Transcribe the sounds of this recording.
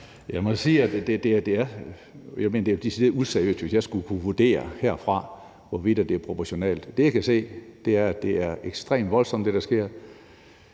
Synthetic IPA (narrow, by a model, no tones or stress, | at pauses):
jɑɪmɒsiːæd̥d̥ed̥e̝d̥e̝æɐ | jɑ̈ɪme̝ːnɐd̥e̝fd̥isid̥e̝useɐijø̰ːsd̥ʋesjɑ̈ɪsɡ̥ukʰuʋuɐd̥e̝̰ːɐheɐ̰fʁɑ̈ | ʋɒʋid̥æd̥e̝æɐpʰʁo̝pʰɒɕo̝nɛ̰ːld̥d̥e̝jäkʰæse̝̰ːd̥e̝æɐæ̥e̝æɐeɡ̥sd̥ʁḛːmd̥ʋɒ̽lsɒ̽md̥e̝ɾ̥ɑ̈sɡ̥e̝ɐ̰